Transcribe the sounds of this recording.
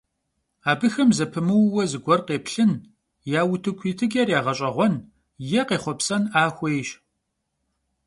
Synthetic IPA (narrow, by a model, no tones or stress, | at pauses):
aːbɨxɐmzɐpʰɨmɨwwɔzɨɡʷɔrqeːpɬɨn | jaːwʊtʰɨkʷʰiːtʰɨɡʼɛrjaːʁɐɕʼɐʁʷɔn | jɛqeːχʷɔpsɐnaːxʷejʃ